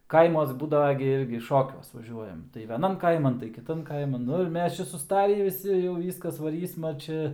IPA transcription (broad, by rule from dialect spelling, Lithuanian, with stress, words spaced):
ˈkɐɪmuɔs ˈbuːdɐʋɐ ɡʲɪ ˈɪrʲɡʲɪ ˈʃoːkʲuɔs ʋɐˈʒʲuɔjɛm tɐɪ ʋʲɛˈnɐm ˈkɐɪmɐn tɐɪ kʲɪˈtɐn ˈkɐɪmɐn ˈnʊ ɪr ˈmʲɛs ˈt͡ʃʲɛ sʊˈstɑːrʲiː ʋʲɪˈsʲɪ jɛʊ ˈʋʲiːskɐs ʋɐˈrʲiːsmɐ ˈt͡ʃʲɛ